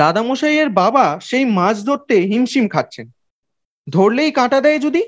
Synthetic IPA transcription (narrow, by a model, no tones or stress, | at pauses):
d̪ad̪amoʃajeɾbabaʃejmãd͡ʑd̪ʱoɾt̪ːeɦimʃimkʰat̪̚ːɕʰen | d̪ʱoɾlejkãʈad̪ɛed͡ʑod̪i